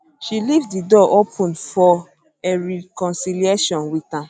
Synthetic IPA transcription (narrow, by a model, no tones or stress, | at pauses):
ʃilifdidɔʔopʰũnfɔ | eɹikɔ̃nsilieʃɔ̃nwitã